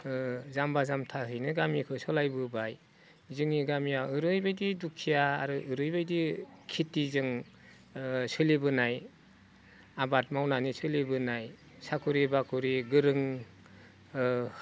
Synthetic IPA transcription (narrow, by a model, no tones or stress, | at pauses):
zambazamtʰaɦɯjnɯɡamikʰɯsɔlajbɯbaj | zɯŋiɡamijaɯɾɯjbajdidukʰːija̰ːɾɯʔɯɾɯjbajdikʰitizɯŋ | sɯlibɯnaj | abat̚mawnanisʰɯlibɯnaj | sakʰuɾibakʰuɾiɡɯɾɯŋ